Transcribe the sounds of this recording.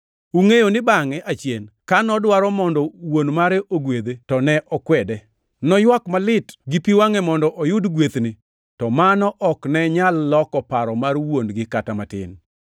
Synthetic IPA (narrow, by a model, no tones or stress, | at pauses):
uŋejonɪbaŋɛʔat͡ʃjenkanɔdwaɾɔmɔndɔwonmaɾɛʔoɡwed̪etɔnɛʔɔkwɛdɛ | nɔjwakmalɪtɡɪpiwaŋɛmɔndɔʔɔjʊdɡwet̪ni | tɔmanɔʔɔknɛɲalːɔkɔpaɾɔmarwonɡɪkatamatɪ̰n